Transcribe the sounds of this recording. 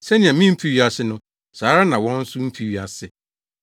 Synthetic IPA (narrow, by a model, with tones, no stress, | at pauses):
sɛ˦nɪ̃˨ã˨mĩ˦m̩˦fi˦ɥi˦a˨sɪ˦nʊ̃˦ | saː˨˦ɾa˦nã˨wɔ̃˦n̩˦sʊ˦m̩˦fi˨ɥi˨a˨sɪ˨